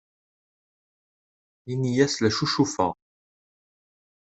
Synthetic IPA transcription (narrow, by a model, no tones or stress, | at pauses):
inijæslæʃuʃufə̰